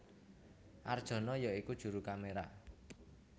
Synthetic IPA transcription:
ʔard̥ʒ̥ɔ̤nɔjɔikud̥ʒ̥ṳɾukameɾa

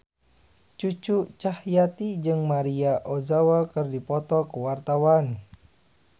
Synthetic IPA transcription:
t͡ʃut͡ʃut͡ʃahjat̪id͡ʒɨŋmaɾiaʔozawakɨrdipɔt̪ɔkəwart̪awan

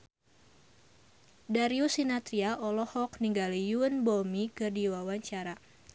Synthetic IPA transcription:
daɾiusinat̪ɾiaʔɔlɔhɔkniŋɡalijuənbɔmikɨrdiwawaɲt͡ʃaɾa

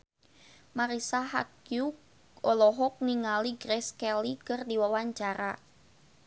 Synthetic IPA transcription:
maɾisaɦa̰kjuk | ɔlɔɦɔk̚niŋaliɡɾɛskɛlikɨrdiwawaɲt͡ʃaɾa

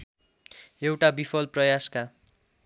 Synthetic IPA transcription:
ewʈabipʰʌlprʌjaska

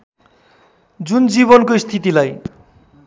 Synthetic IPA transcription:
d͡zund͡ziβɔnkoist̪ʰit̪̬ilaj

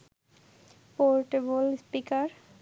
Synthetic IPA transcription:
poɾʈebolspikaɾ

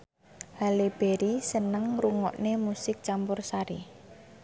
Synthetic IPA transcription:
haleb̥e̤ɾisənəŋruŋɔ̰ʔnemusɪk̚t͡ʃampʊrsaɾi

